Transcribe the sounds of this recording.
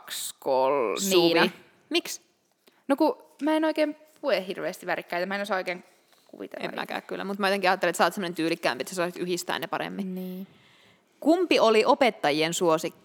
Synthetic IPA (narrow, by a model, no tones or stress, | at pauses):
kskolsːʋ | miks | nokumæːenoikeːmpuehhirʋeːst̪iʋʋærikːæit̪æmæenosɑːoikeːŋ | kṵʋḭt̪ḛḛmmːʔæ̰kæ̰ːkkylːæ̰mut̪mæjot̪eŋkiɑːt̪ːelet̪sɑːt̪semːonent̪yːlikːæ̰ːmpiet̪sæsɑːˑsit̪yɦist̪æ̰ːnepɑɾḛmːĩniː | kumpioliʔopet̪ːɑjiensuosikː